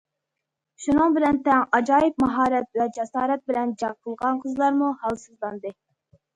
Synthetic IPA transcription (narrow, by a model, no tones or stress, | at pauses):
ʃunɨŋbɪlɛnt̪ɛŋɑd͡ʒɑːjip̚mɑɦɑːɾɛt̪̚vɛd͡ʒɛsɑːɾɛt̪̚bɪlɛnd͡ʒɑʁqʰəlˠʁɑnqʰəzlˠɑɾmuhɑlˠsɨzlˠɑnd̪ɨ